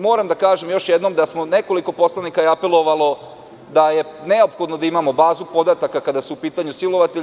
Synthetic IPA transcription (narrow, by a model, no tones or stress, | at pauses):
mo̞ːɾamd̪akaːʒemjo̞ʃjed̪nomd̪asmo̞ne̞ko̞liko̞po̞slˠanikajeape̞lˠo̞ʋalˠo̞ | d̪aje̞ne̞o̞pxo̞d̪nod̪aimamo̞baːzupo̞d̪at̪akakad̪asuupiːt̪aɲusilo̞ʋat̪e